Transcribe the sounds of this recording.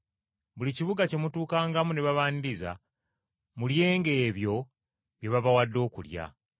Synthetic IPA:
βuliciβuɡace̞mutuːkaːŋɡamune̞βaβaːniɾiza̰ | mulje̞ːŋɡe̞ːβjo̞ | βje̞βaβawadːo̞ːkṵlja̰

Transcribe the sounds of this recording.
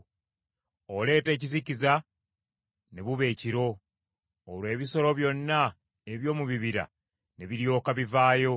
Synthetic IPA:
ole̞ːte̞ːc̬iziciza | ne̞βuβe̞ːciɾo̞ː | lwe̞ːβiso̞ɾo̞βjo̞nːa | e̞βjo̞ːmuβiβiɾa̰ | ne̞βiɾjo̞ːkaβivaːjo̞

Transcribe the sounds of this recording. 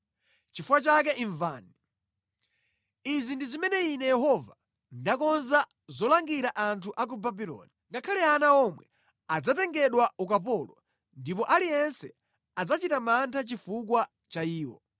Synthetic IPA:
t͡ʃifuwat͡ʃak̬ɛʔiɱvaːni | izindizimɛnɛinɛjɛɦɔva | ndakɔnza | zɔlaŋɡiɾaʔantʰuʔak̬ubabilɔ̰ːniŋɡakʰalɛanaɔmwɛ | ad͡zatɛŋɡɛɗwaukapɔlɔ | ndip̬ɔʔalijɛnsɛ | ad͡zat͡ʃitamantʰat͡ʃifuk̬wa | t͡ʃaiːwɔ̰

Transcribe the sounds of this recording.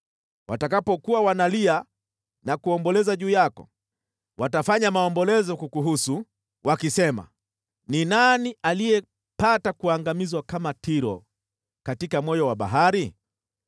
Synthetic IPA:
watakapɔkuwawanalia | nakuɔmbɔlɛzaʄuːjakɔ̰ | watafaɲamaɔmbɔlɛzɔkukuɦusu | wakisɛma̰ | ninaniʔalijɛ | patakuaŋɡamizwakamatiɾɔ̰ | katikamwɔjɔwaɓa̰ɦaɾi

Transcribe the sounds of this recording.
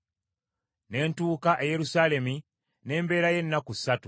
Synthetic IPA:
ne̞ːntuːkaʔeje̞ɾusaːle̞mi | ne̞ːmbe̞ːɾaje̞nːakusːatu

